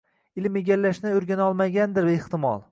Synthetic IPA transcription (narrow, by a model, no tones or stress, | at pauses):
ɪlmeɡʲalːaʃnɪʊɾɡʲanɒlˠmaɡʲand̪ɪɾɪht̪ɪmɒ̰lˠ